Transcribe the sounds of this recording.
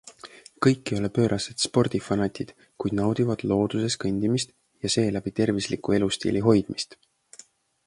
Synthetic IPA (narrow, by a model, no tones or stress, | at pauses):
kɤjkːio̞lepøːɾʔɑsed̪̥spo̞rd̪̥ifɑnɑt̪ʲid̪̥ | kujd̪nɑwd̪̥ivɑd̪̥lo̞ːd̪use̞skɤnʲd̪̥imist̪ | jɑse̞ːlæb̥it̪e̞rvislikue̞lust̪ḭːliɦo̞jd̪̥mist̪